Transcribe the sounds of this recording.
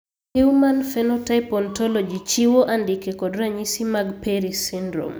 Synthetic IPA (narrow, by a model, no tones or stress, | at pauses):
hiumanfɛnɔtaɪpɔntɔlɔd͡ʒit͡ʃiwoʔandikɛkɔdɾaɲisimaɡpɛɾisindɾo̰m